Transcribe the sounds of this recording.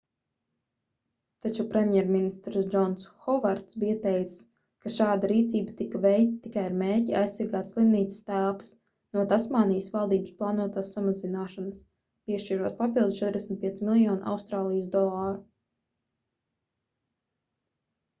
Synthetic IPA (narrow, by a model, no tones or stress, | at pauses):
t̪at͡ʃupɾɛmʲjɛɾminist̪ɾsd͡ʒɔnsxɔvaɾt̪sbijət̪ɛjt̪s | kaʃaːd̪aɾiːt̪siːbat̪ikavɛjkt̪̚t̪ːikajaɾmeːɾcia̰jsːaɾɡaːt̪sslˠimniːt̪sɪ̥st̪ælˠpḁs | nuɔt̪asmaːnijəsvalˠd̪iːbəsplˠɑːnuɔt̪aːsːamazinaːʃanas | piɛʃt͡ʃiɾuɔt̪̚papilˠd̪st͡ʃɛt̪ɾd̪ʲɛsmit̪piɛsʲmilˠjɔːnʔa̰wst̪ɾaːlˠijəsd̪ɔlˠɑːɾu